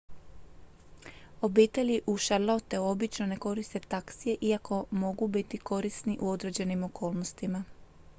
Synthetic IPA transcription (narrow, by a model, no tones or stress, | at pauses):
o̞biːt̪e̞liʔuʃaɾlaut̪euo̞bit͡ʃno̞ne̞ko̞ɾist̪e̞t̪aksije̞ʔiakʰo̞mo̞ɡubit̪iko̞ɾisniʔuo̞d̪ɾe̞d͡ʑe̞nimo̞kʰo̞ːlˠno̞st̪ima